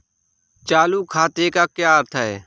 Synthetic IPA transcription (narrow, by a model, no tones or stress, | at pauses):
t͡ʃaːluːkʰaːt̪eːkaːkjaːɾt̪ʰaeː